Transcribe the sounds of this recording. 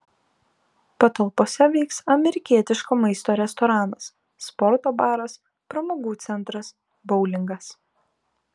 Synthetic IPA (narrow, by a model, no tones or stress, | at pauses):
pɐt̪ɐlˠpoːsʲɛʋʲɛɪksɐmʲɛɾʲɪkʲiɛt̪ʲɪʃkoːmɐɪst̪oːɾʲɛst̪ɔːɾɑːnɐsː | pɔɾt̪oːbɑːɾɐs | pɾɐmoːɡuːt̪sʲɛnt̪ɾɐs | bɔʊlʲɪŋɡɐs